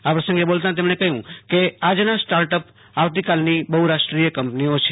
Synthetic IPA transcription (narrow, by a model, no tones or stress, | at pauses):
apɾəsə̃ŋɡebolt̪ãt̪̬emɳekəɦjũkead͡ʒnasʈaɾʈəp | aʋt̪ikalnibəɦuɾaʃʈɾijəkəmpniot͡ʃʰe